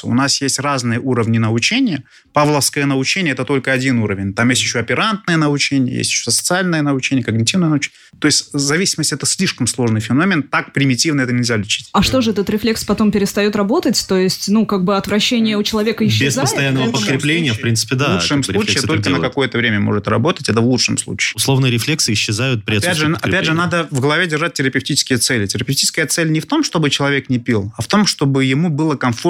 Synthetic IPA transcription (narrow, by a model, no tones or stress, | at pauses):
ʊ̰nasjesʲtʲraznɨjəʔuɾəvnʲɪnəʊt͡ɕenʲɪjə | pavlˠəfskəjənəʊt͡ɕenʲɪjəɛt̪ət̪olʲkəɐdʲinuɾəvʲɪnʲt̪amjesʲtʲjɪɕːoɐpʲɪɾant̪̚nəjənəʊt͡ɕenʲɪjə̰jḛsʲtʲɪ̥ɕːosəsə̥t̪sɨalʲnəjənəʊt͡ɕenʲɪjəkəɡnʲɪtʲivnəjənəʊt͡ɕenʲ | t̪o̞ɪsʲtʲzɐvʲisʲɪməsʲtʲɛt̪əsʲlʲiʂkəmslˠo̞ʐnɨjfʲɪno̞mʲɪnt̪ak̚pɾʲɪmʲɪtʲivnɨɛt̪ənʲɪlʲzʲalʲɪt͡ɕi̥tʲɐʂt̪o̞ʐɨɛt̪ət̪ɾʲɪflʲe̞kspɐt̪o̞mpʲɪɾʲɪst̪ɐjo̞t̪ɾɐbo̞t̪ətʲt̪ojɪsʲtʲnukaɡ̚bɨɐt̪vɾɐɕːenʲɪjəʊt͡ɕɪlˠɐvʲe̞kəjɪɕːsʲpəsɐjanːəvəpət̪kɾʲɪplʲenʲɪjəfpɾʲint̪sɨ̥pʲɪd̪auʂɨjmsˠut͡ɕɪjːt̪o̞lʲkənəkɐk̪o̞jət̪əvɾʲemʲəmo̞̰ʐɨt̪rɐ̰bo̞t̪ətʲɛt̪əvlˠutʂɨmslˠṵt͡ɕɪ̥ːʊslˠo̞vnɨɾʲɪflʲeksɨɪɕːɪzajʊt̪̚pɾʲɪpædʐɨɐpʲæʐɨnad̪əvɡəlˠɐvʲedʲɪrʐat̚ʲtʲːɪɾəpʲɪftʲit͡ɕɪ̥skʲɪjət̪sɛlʲɪtʲɪɾəpʲɪfʲtʲit͡ɕɪskəjət̪sɛlʲnʲɪft̪o̞mʂt̪o̞bɨt͡ɕɪlˠɐvʲe̞knʲɪpʲilˠɐft̪o̞mʂt̪o̞bɨjɪmubɨlˠəkɐnfo